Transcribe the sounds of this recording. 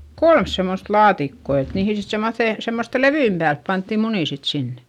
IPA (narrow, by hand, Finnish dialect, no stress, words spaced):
kolm semːost lɑːtikːo et niːhi sit semːoθeˑ semːoste leʋyimp pæːlp pɑntːi muniˑ sit sinːe̥